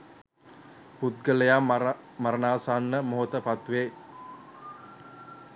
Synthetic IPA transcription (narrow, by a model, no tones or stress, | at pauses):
put̪̚ɡələja | maɾənaːsaːnːəmoɦot̪əpat̪ʋe